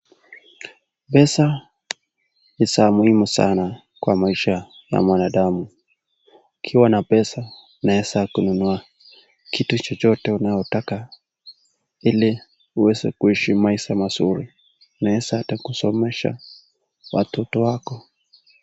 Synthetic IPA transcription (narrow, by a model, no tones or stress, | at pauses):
ɓɛsa | isamuhimusa̰na | kwamaiʃa | ja̰mwanaɗamu | ikʰiwanapɛsa | naɛsakununua | kitut͡ʃɔt͡ʃɔtɛunajɔtaka | ili | uwɛzɛ̰kuiʃimaiʃamasuɾi | naɛsaatakusɔmɛʃa̰ | wa̰tʰɔtɔwakɔ